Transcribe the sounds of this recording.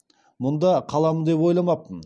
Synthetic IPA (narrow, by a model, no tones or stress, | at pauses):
mʊnd̪ɑqʰɑlˠɑmənd̪e̞pwojlˠɑmɑp̚ən